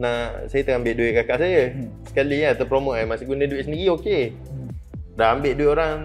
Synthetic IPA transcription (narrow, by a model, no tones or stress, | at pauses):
naʔsajət̪əŋambɪʔdueʔkakaʔsajə | sə̥kalijat̪əpɾomoʔajmasiɡunə̃duweʔsəndiɾioke | daambeʔdueʔoɾaŋ